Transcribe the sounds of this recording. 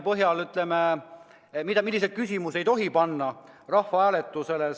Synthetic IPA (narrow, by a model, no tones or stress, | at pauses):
pɤɦjɑlyt̪leme | mid̪̥ɑmilːised̪̥̚kysʲimusejt̪o̞ɦipɑnːɑ | rɑhvɑæːlet̪ːˑusele